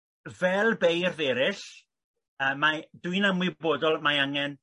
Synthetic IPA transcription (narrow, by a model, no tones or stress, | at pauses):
vɛlˠbejrðɛːɾɪɬ | əːmːadwɨnamwɪboːdɔlˠmajaŋɛn